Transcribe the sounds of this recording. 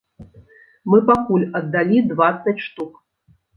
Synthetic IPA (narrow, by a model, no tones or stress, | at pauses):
mɨpakulʲɐd̪ːalʲid̪vat̪sːɐt͡sʲʂt̪uk